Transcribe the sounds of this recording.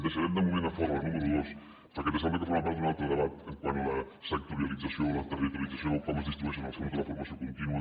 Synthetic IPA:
p̪əsəɾɛmd̪əmumẽnd̪əfɔɾmɐnuməɾuðos | ɾɔkɛt̪əsɛmbləkəfoɾmap̬aɾt̪unalˠt̪ɾəðəβat̪əŋkwanlə | sək̚t̪uɾiəlid͡zəsiolət̪ərit̪ulid͡zəsjoðəlˠfɔməzðist̪ɾiβusjunalˠskomuk̪əðəfuɾmɐsijokunt̪inuə

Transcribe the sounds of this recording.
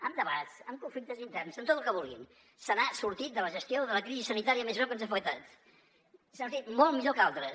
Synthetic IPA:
əmd̪əβat̪səmkuɱflik̚t̪əzint̪ɛrnzəmt̪ot̪əlˠkəβ̞ulˠɣḭn | sənasuɾt̪it̪̚d̪ələʒəst̪ioðələkɾizisənit̪aɾiəmezβɛwkənzafək̚t̪at̪ | sut̪it̪mɔlmiʎokalˠt̪ɾə

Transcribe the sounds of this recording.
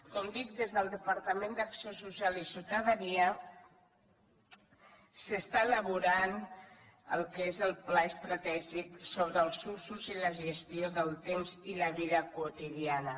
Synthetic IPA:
kɔmd̪ik̚d̪ezðəlˠd̪əpəɾt̪əmẽnd̪əksiosusjalisiwt̪əðəniə | səst̪aeləβ̞uɾan | əlˠkezəlˠplaəst̪ɾat̪ɛʒiksoβɾəːlˠsusuziləʒəst̪ioðəlˠt̪emziləβiðəkwut̪iðianə

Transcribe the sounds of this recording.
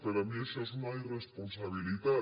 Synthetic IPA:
peɾamesesnairesponsaβilit̪a

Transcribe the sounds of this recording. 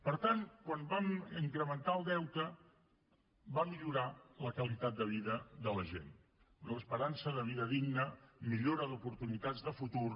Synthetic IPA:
pəɾt̪aŋkwambamiŋkɾəmənt̪aəlˠd̪ɛwt̪ə | bamiʎuɾaləkəlit̪at̪̚d̪əβ̞iðəðələʒḛn | ələspəɾansəðəβ̞iðəðiɡnəmiʎoɾəðupuɾt̪unit̪ad͡zðəfut̪ur

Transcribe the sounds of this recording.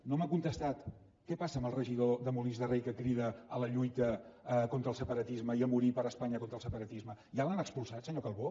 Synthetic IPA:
nomakunt̪əst̪at̪ | kɛpasəəməlˠrəʒiðoðəmulizðərejkəkɾiðəələʎujt̪əkont̪ɾəlˠsəpəɾət̪izməiəmuɾipəɾəspaɲəkont̪ɾəlˠsəpəɾət̪izməjalanəkspulˠsat̪səɲokəlˠβo

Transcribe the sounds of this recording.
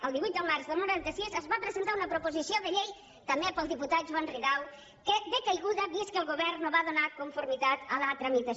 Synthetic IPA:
ɐlˠd̪iβujt̪̚d̪ɐmaɾzðɐmuɾant̪ɐsisɐzβapɾezẽnt̪aɾunɐpɾopozisjoðeʎej | t̪ɐmẽpəlˠðiput̪at̪ʒuanriðaw | kɪðɪkajɣuðɐβiskelˠɣoβɛɾnʊβaðonaɾkoɱfoɾmit̪at̪ɐlat̪ɾɐmit̪ɐ

